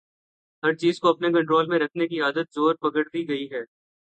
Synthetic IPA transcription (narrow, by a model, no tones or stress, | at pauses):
ɦɐɾt͡ʃiːzkoɐpnek̬ɐ̃ɳʈɾoːlmẽɾɐkʰnekiaːd̪ət̪̚zoːɾpɐɡəʈd̪iɡɐiɦɛː